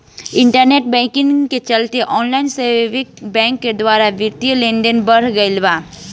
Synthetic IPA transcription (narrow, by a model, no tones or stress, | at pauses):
ɪ̃ɳʈəɾneːʈ̚bɛ̃ːkɪ̃ŋɡket͡ʃɐlt̪eʔɔːnlaːɪnseːʋɪkbɛ̃ːŋkːed̪waːɾaʋjɪɾt̪ilẽːɳɖənbɐɾɡəɪlbaː